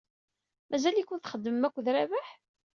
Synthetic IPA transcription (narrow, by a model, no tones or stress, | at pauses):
mæzælikʷːʊnθχəd̪ːmːækʷːðɾævæħ